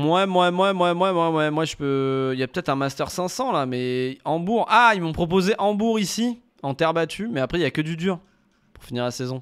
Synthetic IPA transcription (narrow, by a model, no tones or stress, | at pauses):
mwɛmwamwamwamwamwamwɛmwaʒəpøiljapø̥t̪ɛt̪χɛ̃mast̪œʁsɛ̃sɑ̃lamɛɑ̃buʁailmɔ̃pχɔp̬ozeʔɑ̃buʁisi | ɑ̃t̪ɛʁbat̪ʰymɛapχɛiljakəd̪yd̪yːʁ | pu̥ʁfiniʁlasɛzɔ̃